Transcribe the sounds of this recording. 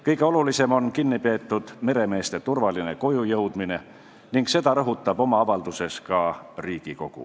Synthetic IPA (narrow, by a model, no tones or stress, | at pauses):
kɤjɡ̥e̞o̞lulise̞mo̞nkinːipe̞ːt̪ˑːud̪̥me̞ɾe̞me̞ːst̪e̞t̪urvɑline̞ko̞jujɤwd̪̥mine̞ | niŋkse̞d̪ɑɾɤɦut̪ːˑɑb̥o̞mɑɑvɑld̪̥use̞skɑriːɡ̥iko̞ɡ̥ṵ